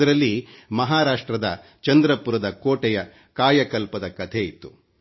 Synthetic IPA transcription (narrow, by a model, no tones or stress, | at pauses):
ɐɾɐlːimɐɦaːɾaːʂʈɾɐd̪ɐ | t͡ʃɐnd̪ɾɐpuɾɐd̪ɐkoːʈɛjɐ | kaːjɐkɐlpɐd̪ɐkɐt̪ʰeit̪ːu